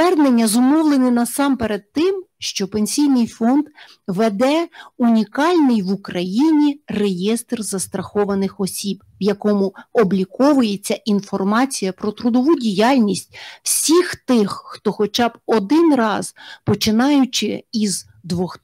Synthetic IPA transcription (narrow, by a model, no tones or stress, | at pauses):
ɛrd̪nenʲːɐzɔmɔwlˠenɪnɐsɑmpeɾed̪̚t̪ːɪmʃt͡ʃɔpenʲsʲijnɪjfɔnd̪ | ʋed̪ɛunʲikɑlʲnɪjʋukɾɐjinʲirejɛst̪rzɐst̪ɾɐxɔʋɐnɪxɔsʲib | ʋjɐkɔmʊɔblʲikɔʋʊjet͡sʲːɐʔinfɔrmɑt͡sʲijɐpɾɔt̪ɾʊd̪ɔʋudʲijɑlʲnʲisʲtʲw̥sʲixt̪ɪxːt̪ɔxɔt͡ʃɑbɔd̪ɪnrɑzpɔt͡ʃɪnɑjʊt͡ʃɪiz | d̪ʋɔx